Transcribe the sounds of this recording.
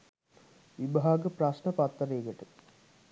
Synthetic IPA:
ʋibɦaːɡəprasnəpat̪ːəɾeːɡəʈə

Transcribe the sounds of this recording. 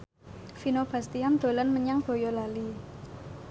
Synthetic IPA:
finob̥a̤st̪iamd̪̥o̤lənməɲaŋb̥o̤jolali

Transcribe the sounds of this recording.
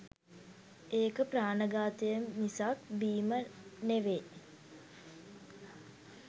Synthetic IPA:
eːkəpraːnəɡaːt̪əjəmːisakbiːməneʋe

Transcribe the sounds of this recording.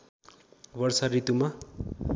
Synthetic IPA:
bʌrsarit̪uma

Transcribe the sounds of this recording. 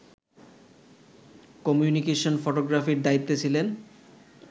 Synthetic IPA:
kɔmjunikeʃonfoʈoɡɾafiɾd̪ait̪ːet͡ɕʰilen

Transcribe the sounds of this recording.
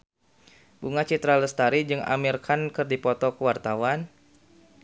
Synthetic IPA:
buŋat͡ʃit̪ɾaləst̪aɾid͡ʒɨŋa̰mirkʰankɨrdipɔt̪ɔkəwart̪awan

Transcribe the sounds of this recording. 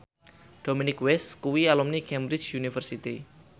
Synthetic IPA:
ɖ̥ominɪkwɛskuwialumnikɛmbɾit͡ʃjunifərsit̪i

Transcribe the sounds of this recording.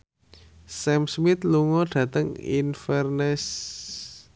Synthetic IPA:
sɛmsmit̪luŋɔɖ̥ä̤t̪əŋḭnfɛrnɛs

